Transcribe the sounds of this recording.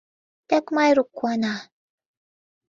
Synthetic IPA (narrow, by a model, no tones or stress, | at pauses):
takmajɾukʷːwana